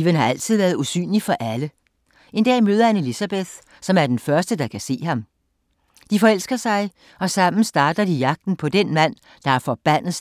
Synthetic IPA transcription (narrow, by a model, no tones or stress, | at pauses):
iʋənhɑ̈æl̰t͡sʰið̞̰ˠʋæɐðˠusy̰ːnlifɒ̽ʔælə | e̝nd̥ɛ̰ːmøːð̞ˠɐhæne̝lisæb̥eθ | sɒ̽mæɐd̥enfɶɐsd̥əd̥ɑ̈kʰæse̝̰ːɦɑ̈m | d̥ifɒ̽el̰sɡ̥ɐsɑ̈ɪ | ɒ̽sɑ̈m̰n̩sd̥ɑ̈ːd̥ɐdijɑ̈ɡ̥̚d̥n̩pʰɒ̽d̥enmæn̰ | d̥ɑ̈æɐfɒ̽b̥æn̰ð̩ˠ